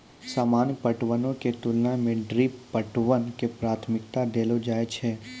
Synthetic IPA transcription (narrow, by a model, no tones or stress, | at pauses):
saːmaːnpəʈʋənõket̪ʊlnamẽɖɾiːpːəʈʋənkepɾaːt̪ʰmɪk̚t̪ad̪eːlod͡ʒaːet͡ʃʰɛː